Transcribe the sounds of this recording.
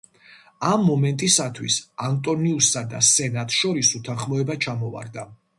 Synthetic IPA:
amːɔmɛnt̪ʼisat̪ʰwḭsant̪ʼɔniusːad̪a̰sɛnat̪ʼʃɔɾisut̪ʰanχmɔɛbat͡ʃʰamɔva̰ɾd̪a

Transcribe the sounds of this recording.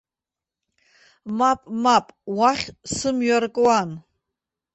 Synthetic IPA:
mapʼmapʼwaχʲsɨmɥarkʼwan

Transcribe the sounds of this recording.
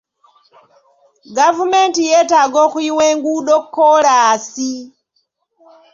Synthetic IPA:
ɡavumɛntijɛtaɡɔxwiwɛŋɡuɗɔkːɔɺasi

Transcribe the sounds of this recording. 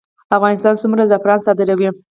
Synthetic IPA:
afɣɑnɪst̪ɑnt͡sumɾazafɾɑnsɑd̪ɪɾawi

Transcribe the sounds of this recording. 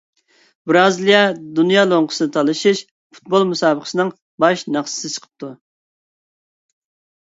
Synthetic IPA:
bɾɑːzɨlˠijɛd̪unjɑːlˠoŋqʰə̥sɨnɨt̪ʰɑlˠɨʃiʃ | fu̥t̪̚bolˠmusɑːbəqə̥sɨnɨŋ | bɑʃnɑχsɨ̥sɨt͡ʃʰə̥qʰə̥p̚t̪ʰu

